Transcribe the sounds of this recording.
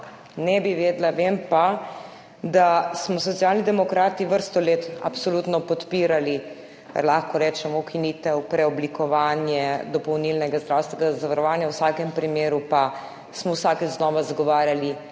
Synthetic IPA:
nɛbiʋeːd̪laʋempa | d̪asmɔsɔt̪sijalnid̪ɛmɔkɾaːt̪iʋəɾst̪ɔleːt̪apsolut̪nɔpɔt̪piːɾali | kə̰ɾlaːxkɔɾɛːt͡ʃɛmɔwkiniːt̪ɛwpɾɛɔblikɔʋaːnjɛd̪ɔpɔwnilnɛɡazd̪ɾaːwst̪ʋɛɡazaʋaɾɔʋaːnjawsakɛmpɾimeːɾupa | smɔwsaːkɛznɔːʋazɡɔʋaːɾjali

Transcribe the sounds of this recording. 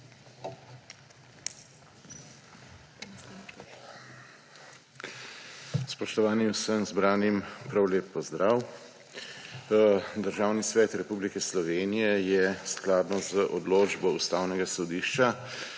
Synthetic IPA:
spɔʃt̪ɔʋaːniusəmzbɾaːnimpɾawleːpːɔzd̪ɾaːw | d̪əɾʒaːwnisʋɛːt̪ɾɛpuːblikɛslɔʋeːnijɛjɛsklaːd̪nɔzəʔɔd̪loːd͡ʒbɔust̪awnɛɡasɔd̪iːʃt͡ʃa

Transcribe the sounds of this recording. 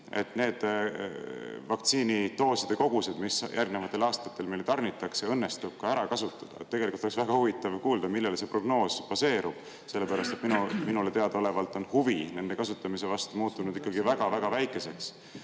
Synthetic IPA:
e̞t̪ne̞ːd̪̥ | vɑk̚t̪siːnit̪o̞ːsɑd̪̥eko̞ɡ̥used̪̥misjʔærɡnevɑt̪ːˑe̞lɑːst̪ɑ̥t̪ːˑe̞lme̞lt̪ɑrnit̪ːˑɑkseɤnːe̞st̪ub̥̚kɑæɾɑkɑsut̪ːˑɑ̥d̪̥ɑ̰et̪ːe̞ɡ̥elikult̪oeksvæɡ̥ɑhuvit̪ːˑɑvkuːld̪ɑmilːelse̞pro̞ɡ̥no̞ːspɑse̞ːɾub̥ | se̞lːe̞pæɾɑst̪e̞t̪minuminulet̪e̞ɑd̪ɑole̞vɑlt̪ːˑo̞nhuvine̞nd̪̥e̞kɑsut̪ːˑɑmise̞vɑst̪umuːt̪ːˑunud̪̥ikːˑɑɡivæɡ̥ɑvæɡ̥ɑvæjkːˑe̞se̞ks

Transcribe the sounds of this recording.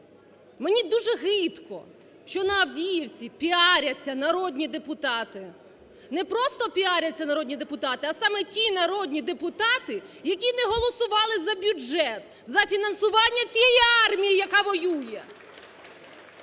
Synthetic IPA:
menʲid̪uʒɛɦɪt̪kɔ̰ | ʃt͡ʃɔnɐɐwdʲijiwt͡sʲipʲiɑɾʲɐt͡sʲːɐnɐɾɔd̪ʲnʲid̪epʊt̪ɑt̪ɪ | nɛpɾɔst̪ɔpʲiɑɾʲɐt͡sʲːɐnɐɾɔdʲnʲid̪epʊt̪ɑt̪ɪɐsɑmɛtʲinɐɾɔdʲnʲid̪epʊt̪ɑt̪ɪjɐkʲinɛɦɔlˠɔsʊʋɑlˠɪzɐbʲud͡ʒɛt̪ | zɐfʲinɐnsʊʋɑnʲːɐt͡sʲijɛjiɑrmʲijɪjɐkɑʋɔjujɛ

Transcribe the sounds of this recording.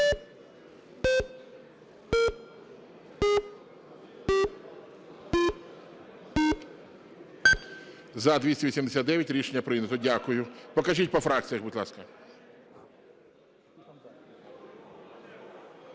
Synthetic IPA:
zɐd̪ʋʲisʲtʲɛʋʲisʲimd̪esʲat̪d̪ɛʋʲjɐtʲɾʲiʃenʲːɐpɾɪnɐt̪ɔdʲakʊjʊpɔkɐʒit̚ʲpɔfɾɑk̚t͡sʲijɐʒbʊd̪ʲlˠɑ̰skɐ

